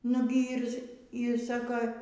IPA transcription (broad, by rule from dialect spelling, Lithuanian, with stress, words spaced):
ˈnʊɡʲɪ ˈiːr iːr ˈsɑːkoː